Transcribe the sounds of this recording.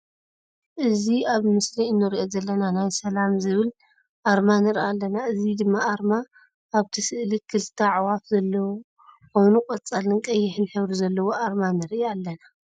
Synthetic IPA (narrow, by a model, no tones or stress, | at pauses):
ʔɨziaβmɨsliɨnːɨɾiʔo̞zɐlːɐnanajsɐlamzɨβɨl | ʔaɾmanɨɾʔalːɐnaɨzid̪ɨmːaʔaɾmaː | βt̪ʰɨsɨʔlikʰɨlt̪ʰaʕwafzɐlːɐw | ko̞jnukʼɐt͡sʼalɨnkʼɐjːɪħɨnħɨβɾuzɐlːɐwo̞ʔaɾmanɨɾijalːɐna